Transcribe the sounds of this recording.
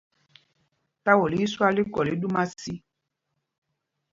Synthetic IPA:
ta˦wo˨li˦su˦a˦li˦kɔ˨li˨˦du˦mã˦si˦

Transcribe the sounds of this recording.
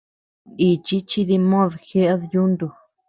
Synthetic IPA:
i˨t͡ʃi˦t͡ʃi˧ði˧mõ˦ðxe˦ʔa˦ðju˦nd̪u˧

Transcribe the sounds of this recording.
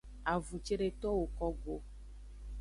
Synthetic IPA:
a˨vu˨t͡ʃe˦ɖe˨t̪ɔ˦wo˨kɔ˦ɡo˨

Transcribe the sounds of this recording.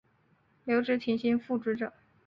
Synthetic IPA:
ljo˧˥ʊʈ͡ʂɻ̩˧˥t̪ʰi˧˥nɕi˥nfu˥˩ʈ͡ʂ̩˥ʈ͡ʂɤ̰˨˩˦

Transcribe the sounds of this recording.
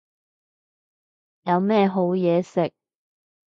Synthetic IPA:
jɐ˨˧wmɛː˥˧ɦo˨˥wjɛː˨˧sɪ˨k̚

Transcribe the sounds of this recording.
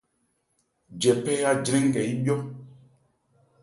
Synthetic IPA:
d͡ʒɛ˨pɛ˦ja˦d͡ʒɾɛ̃˦ŋ˦kɛ˨i˦ɓjɔ˦

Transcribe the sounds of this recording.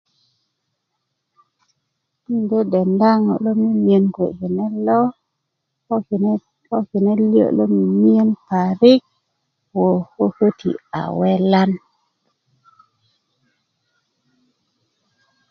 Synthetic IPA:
nde˦dɛ˨nda˦ŋɔ̰˨lo˦mi˦mi˨e˨nke˨ki˨nɛ˦lɔ˦˨ | ɔ˦ki˨nɛ˦ljo̰˦ʔlɔ˦mi˨mi˦e˦npa˨ɾɪ˦k̚ | wo˨ho˦ho˦tʰḭ˨a̰˨wɛ˦la˦n

